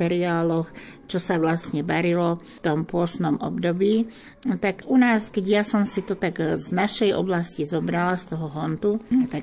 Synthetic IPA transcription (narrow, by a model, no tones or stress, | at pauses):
ɛɾiaːlɔx | t͡ʃɔsaʋlasɲɛbaɾilɔ | t̪ɔmpʊɔsnɔmɔ̰bd̪ɔbiː | t̪aɡunaːskɛɟjasɔmsit̪ɔt̪aɡznaʃɛjɔ̰blascizɔbɾalast̪ɔɦɔɦɔnt̪ut̪a